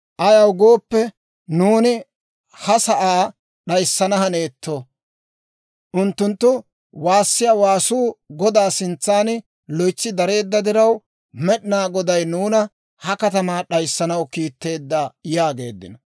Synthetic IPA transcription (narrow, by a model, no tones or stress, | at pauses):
ʔɐjɐwɡo̞ːpːɛ | nuːnɪ | hɐsɐʔaː | ɗɐjsːɐnɐhɐne̞ːt̪ʰːo | ʔʊnt̪ːʊnt̪ːʊ | waːsːɪjaːwaːsuːɡɔd̪aːsɪnt͡sːaːn | lɔjt͡sːɪd̪ɐɾe̞ːd̪ːɐd̪ɪɾɐw | mɛɗɪnaːɡɔd̪ɐjnuːnɐ | hɐkɐt̪ɐmaːɗɐjsːɐnɐwkiːt̪ːe̞ːd̪ːaːjaːɡe̞̰ːd̪ːɪ̰nɐ